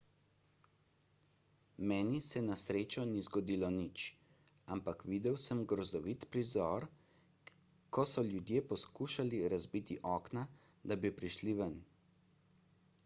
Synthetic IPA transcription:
mɛːnisɛnasɾeːt͡ʃɔnizɡɔd̪iːlɔnit͡ʃ | ampakʋid̪ɛwsəmɡɾɔzd̪ɔʋit̪pɾizɔɾ | kɔsɔljud̪jeːpɔskuːʃaliɾazbit̪iʔɔːkna | d̪abipɾiʃliʋən

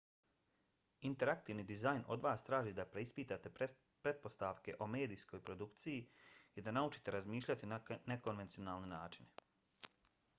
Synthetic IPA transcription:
int̪e̞ɾakt̪iːʋnid̪izajnʔo̞̰d̪ʋaːst̪ɾaːʒiːd̪apɾeispiːt̪at̪e̞ | pɾe̞t̪̚po̞st̪aʋke̞ʔo̞me̞ːd̪iːsko̞jpɾo̞d̪ukt̪sijiid̪anaut͡ʃi̥t̪e̞ɾazmiːʃlʎat̪iane̞ko̞nʋe̞nt̪sio̞naːlnenaːt͡ʃine

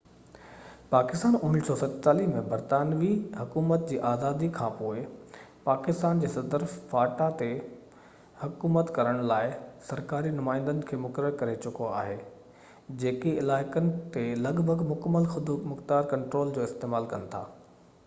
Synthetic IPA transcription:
paːkɪst̪aːnʊnnisɔːsɐt̪t͡ɕaːliɦmẽbɐɾt̪aːnʋiɦʊkuːmət̪̚d͡ʑiːʔaːzaːd̪ikʰãːpoːɪpaːkɪst̪aːnd͡ʑeːsɐd̪əɾfaːʈat̪e | hʊkuːmət̪kɐɾəɽ̃laːɪsɐɾkaːɾinʊmaːɪ̃nd̪ənɪ̆kʰeːmʊkəɾəɾkɐɾet͡ɕʊkoa̰ːɦeː | d͡ʑeːkeɪlaːɪkənɪ̆t̪elɐɡbʱəɡmʊkəmːəlxʊd̪mʊxt̪aːɾkɐ̃ɳʈɾoːld͡ʑoːɪst̪eːmaːlkɐnɪ̆t̪ʰa̰ː

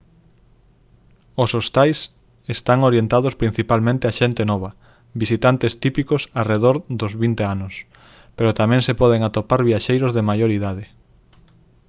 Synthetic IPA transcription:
osost̪ajs | est̪aŋoɾjent̪aðʊspɾin̟θipalmẽnt̪ɪaʃent̪enɔβ̞ɐ | βisit̪ant̪est̪ipikʊsareðoɾðʊzβint̪eanʊs | peɾot̪amɛ̃ŋsepɔð̞eŋat̪opaɾβiaʃejɾʊzðemajoɾiðað̞ɪ

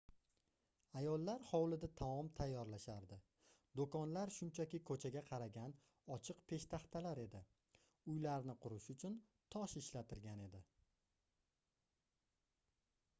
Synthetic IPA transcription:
ajɒlˠːaɾhɒwlɪd̪at̪ʰamɒmt̪ʰajːɒɾlaʃaɾd̪ɪ | d̪okɒnlaɾʃʊnt͡ʃʰakʲɪkʰɵt͡ʃʰaɡʲaqʰɑɾaɡʲan | ɒt͡ʃʰɨqpʰe̞ʃt̪ʰaχt̪ʰalaɾe̞d̪ɪ | ʊjlaɾnɪqʰʊɾɪʃʊt͡ʃʰʊn | t̪ʰɒʃɪʃlat̪ʰɪɾɡʲane̞d̪ɪ

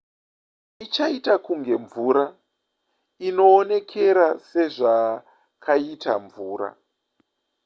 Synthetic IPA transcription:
it͡ʃaitakuŋɡe̞ɱvuɾa | ino̞ːne̞kʰe̞ɾase̞ʐa | kʰaitaɱvuːɾa̰

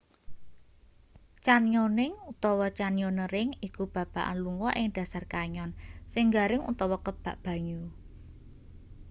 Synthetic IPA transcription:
t͡ʃanjonɪŋut̪ɔwɔt͡ʃanjonəɾɪŋikub̥ä̤b̥a̤ʔa̰nluŋɡɔʔɪŋd̥ä̤sarkaɲɔnsɪŋɡaɾɪŋṵt̪ɔwɔkəb̥a̤ʔb̥ä̤ɲu

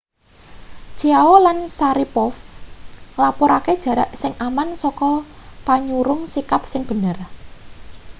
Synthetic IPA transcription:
t͡ʃiawolansaɾipɔf | lapɔɾaked̥ʒ̥ä̤ɾaʔsɪŋʔamansɔkɔpaɲuɾʊŋsikap̚sɪŋb̥ə̤nər

